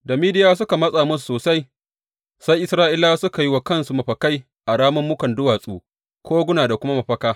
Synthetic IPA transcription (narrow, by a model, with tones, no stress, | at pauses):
da˨miː˦dɪ˦jaː˦s̬ʊ˦ka˨mɐ˦sʼaː˨mʊ˦s̬u̥˨soː˨sa˦j | sa˦jʔɪ˦sɾaː˦ʔɪ˦laː˦sʊ˦ka˨ji˦wa˨kɐ˦nsu˨mɐ˨ɸɐ˨ka˦j | ʔa˨ɽaː˦mɐ˦mːʊ˦kɐ˨ndʊ˦waː˨sʼuː˦ | kʷʰoː˦ɡʷʊ˦naː˨da˨kʷʊ˦ma˦ma˨ɸɐ˦kaː˦